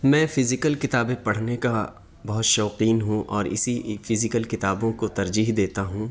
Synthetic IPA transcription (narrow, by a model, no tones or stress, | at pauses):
mɛ̃ːfɪzɪkəlkɪt̪aːbẽpɐɽ̤neka | bɐɦʊt̪ʃɔːqiːnɦũʔɔːɾɪ̰sifɪzɪkəlkɪt̪aːbõkot̪ɐɾd͡ʒiːɦd̪eːt̪aɦũː